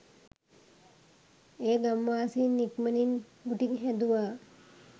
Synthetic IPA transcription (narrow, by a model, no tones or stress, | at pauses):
eːɡamːaːsiːnːikmənin | uʈiɡɦɛd̪uʋaː